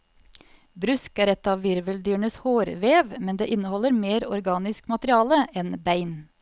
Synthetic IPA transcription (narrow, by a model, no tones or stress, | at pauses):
bɾʉskæːɾɛt̪ɑːʋʋɪɾʋəld̪yːɳəshoːɾʋeːʋmɛnd̪ḛːʔɪnəhɔlːəɾmeːɾɔ̰ɾɡɑːnɪskmɑt̪ɾɪɑːləʔɛnbæɪn